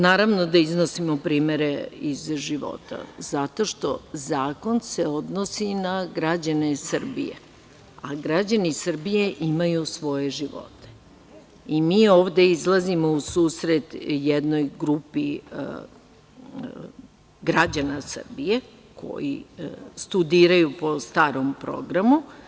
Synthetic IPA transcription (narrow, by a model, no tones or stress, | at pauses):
naːɾaʋnod̪aizno̞simo̞pɾiːme̞ɾeizʒiʋo̰t̪a̰zat̪o̞ʃt̪o̞zaːko̞nseod̪nosinaɡɾad͡ʑane̞sɨr̩bḭjḛ | aɡɾad͡ʑanisr̩bije̞ʔimajusʋo̞je̞ʒiʋo̞̰t̪e̥ | imiːo̞ːʋd̪e̞izlˠazimo̞usuːsɾet̪jed̪no̞jɡɾupi | ɡɾad͡ʑanasr̩bije̞ | kʰo̞̰jḭst̪ud̪iːɾajupo̞st̪aːɾo̞mpɾo̞̰ɡɾamu